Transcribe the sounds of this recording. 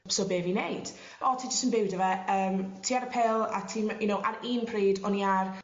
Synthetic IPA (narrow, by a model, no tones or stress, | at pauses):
sobeːvinejd̥ | ɔtʰiːd͡ʒəstənbɪwdəvɛəːmtʰiːaɾəpʰɛlˠa̰tʰiːmjʊnowʔaɾiːnpʰriːdɔniar